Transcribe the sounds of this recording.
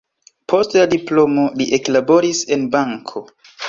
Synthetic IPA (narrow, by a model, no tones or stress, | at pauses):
pʰo̞stladiplo̞mo̞liʔe̞klabo̞ɾise̞nbaŋkʰo̞